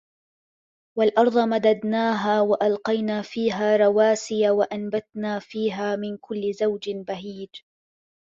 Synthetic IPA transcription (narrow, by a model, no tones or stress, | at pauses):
walʔɑɾˤd̪ˤɑmad̪ad̪naːɦaːwaʔalqɑjnaːfiːɦaːɾˤɑwaːsɪjawaʔanbat̪naːfiːɦaːmɪnkʊlːɪzawd͡ʒɪbaɦiːd͡ʒ